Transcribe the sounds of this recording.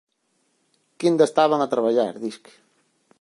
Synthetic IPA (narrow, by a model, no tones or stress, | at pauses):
kind̪aest̪aβaŋat̪ɾaβaʎaɾðisk